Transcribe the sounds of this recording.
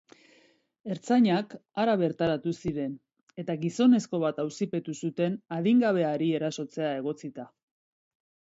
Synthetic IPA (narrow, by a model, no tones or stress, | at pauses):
e̞ɾt͡saɲakaɾaβe̞ɾt̪aɾat̪usiɾe̞n | e̞t̪aɣiso̞ne̞sko̞β̞at̪awsipe̞t̪usut̪e̞naðiŋɡaβ̞e̞aɾie̞ɾaso̞t͡se̞ae̞ɣ̞o̞t͡sit̪a